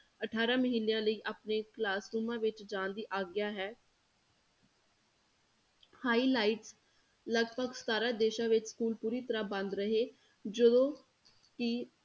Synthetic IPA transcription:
əʈʰaːɾãːməɦiːnejãːləiːʔaːpneːklaːsɾuːmãːʋɪt͡ʃd͡ʒãːnd̪iːʔaːɡɪjaːɦɛː | haːiːlaːɪʈs | ləɡpəɡsə̥t̪aːɾaːd̪eːʃãːʋɪt͡ʃskuːlpuːɾiːt̪əɾaːbə̃nd̪ɾəɦeː | d͡ʒəd̪õː | kɪ

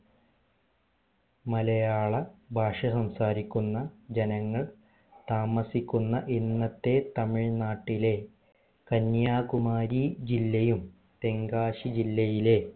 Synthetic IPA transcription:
mɐlɐjaːɭɐbʱaːʂɐsɐmsaːɾikʲːunːɐd͡ʑɐnɐŋːɐɭ | t̪aːmɐsikʲːunːɐʔinːɐt̪ːe̞t̪ɐmiɻnaːʈːile̞ | kɐnjaːkumaːɾid͡ʑilːɐjum | t̪e̞ŋɡaːɕid͡ʑilːɐjile̞

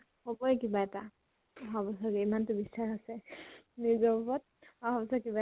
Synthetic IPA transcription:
xɔbɔjkibaɛta | ɦabɔsɔɡɛimantʊbisaxasɛnizɔbɔpɔt̚ | ɔɦɔbɔsɔkiba

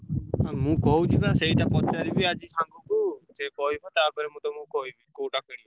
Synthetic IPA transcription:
amũkɔɦud͡ʒibaseit̪apɔt͡ʃaɾibiad͡ʒisãŋɡukud͡ʒɛkɔɦibat̪abəɾɛmũt̪ɔmũkɔɦibikoʈakəɽi

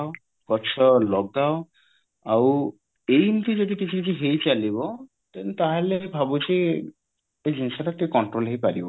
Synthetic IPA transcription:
kɔt͡ʃʰɔlɔɡ̚dao | aw | ejmuʈid͡ʒeʈiʈit͡ʃʰid͡ʒiɦejt͡ʃalibɔ | t̪ent̪aɦalebʱabut͡ʃe | ed͡ʒinsaɾat̪ikɔɳʈɾolɦejpaɾibɔ

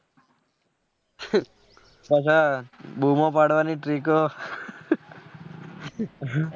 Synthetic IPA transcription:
pət͡ʃʰabumãpaɽʋaniʈɾiko

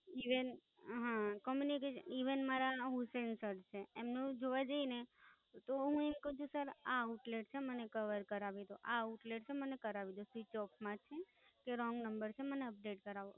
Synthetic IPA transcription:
iʋen | ɦãkɔmjunikeʃə̰niʋənmaɾanoɦũsensəɾt͡ʃʰeːmnũd͡ʒoʋad͡ʒəine | t̪oɦũemkəɦũt͡ʃʰũsəɾauʈleʈ̚t͡ʃʰemənekəʋəɾkəɾaʋid̪oʔauʈleʈ̚t͡ʃʰemənekəɾaʋid̪osʋit͡ʃɔpmãt͡ʃʰe | keɾɔ̃ŋɡnəmbəɾt͡ʃʰeməneəp̚ɖeʈkəɾaʋo

